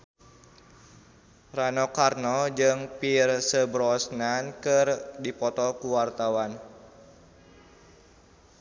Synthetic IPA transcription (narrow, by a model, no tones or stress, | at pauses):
ranɔkarnɔd͡ʒɨŋpirsəbɾɔsnankɨrdipɔt̪ɔkuwart̪awan